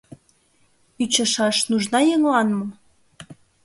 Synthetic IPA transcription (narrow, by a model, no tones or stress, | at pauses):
yt͡ɕə̆ʃɑʃnuʒnɑjɤŋlɑnmɤ̆